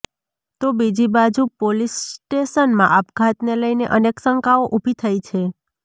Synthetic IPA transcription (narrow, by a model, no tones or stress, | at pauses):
t̪obid͡ʒibad͡ʒupolisʈeʃənmã̰ʔapkʰat̪neləjneʔəneksəŋkaoʔubʱit̪ʰajt͡ʃʰe